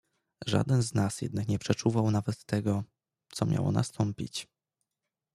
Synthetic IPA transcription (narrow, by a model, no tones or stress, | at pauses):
ʐa̰d̪ɛnznasjɛ̰d̪̚nakɲɛpʂɛt͡ʂuvawnavɛt̪ːɛɡɔ | t̪sɔmʲja̰wɔ̰na̰st̪ʰɔmpʲḭt͡ɕ